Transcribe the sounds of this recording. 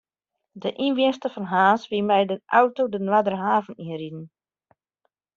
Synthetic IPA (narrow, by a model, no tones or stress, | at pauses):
dəʔinʋiənstəfɔnɦaːsʋimɛjdəʔawtowdənwadərəɦaːvəniəridən̩